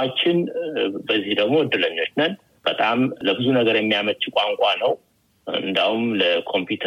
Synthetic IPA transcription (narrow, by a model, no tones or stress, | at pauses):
at͡ʃːɪnbəzːihd̪əɡmo̞wɔd̪ːɨləɲːo̞t͡ʃːnən | b̥ət̪ʼamləbɨzunəɡəɾjɛmːijamət̪t͡ʃɪkʼaŋkʷʼanəw | ɨ̰nd̪ahumləkʰo̞mpjut̪ʰ